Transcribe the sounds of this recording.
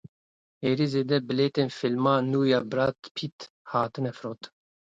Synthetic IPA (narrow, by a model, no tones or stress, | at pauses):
eːɾizeːd̪ɛbɨleːt̪eːnfilmɑːnuːjaːbɾat̪pʰit̪ | haːt̪ɨnɛfɾoːt̪